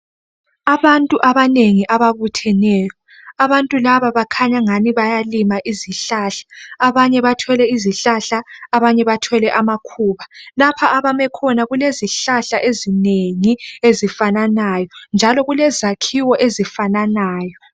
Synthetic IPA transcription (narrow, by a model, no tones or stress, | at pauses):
aβantʼuʔaβaneŋiʔaβaβutʰɛnɛːjɔ | aβantʼulaβaβakʰaɲaŋaniβajalimaʔiziɬaɬḁːβaɲɛβatʰɔlɛiziɬaɬaaβaɲɛβatʰɔlɛʔamakʰuːβalapʰaʔaβamɛkʰɔnaɣuleziɬaɬaʔezineŋiezifananajɔnd͡ʒʱalɔɣulɛzakʰiwɔʔezifananaːjɔ